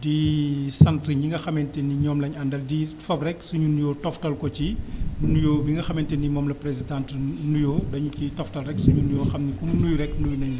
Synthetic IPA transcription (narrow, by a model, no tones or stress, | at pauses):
disɐntɾəɲiŋɡɐxɐmɛntɛniɲɔːmlɐɲɐndɐldifɐbrɛksuɲunujɔːtɔftɐlkɔciunujoːbiŋɡɐxɐmɛntɛnimɔːmlɐprezidãntnujoːdɐɲukitɔftɐlrɛksuɲunujɔːxɐmnikumnujɾɛkːnujnɐɲlɛ